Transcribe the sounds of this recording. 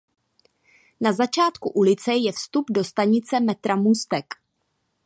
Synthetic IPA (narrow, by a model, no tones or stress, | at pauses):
nazat͡ʃaːt̪kuʔulɪt͡sɛjɛfst̪updo̞st̪aɲɪt͡sɛmɛt̪ɾamust̪ɛk